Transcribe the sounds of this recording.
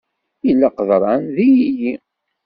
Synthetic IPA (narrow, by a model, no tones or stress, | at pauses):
jəlːaqəðˤɾˤɑnðijiji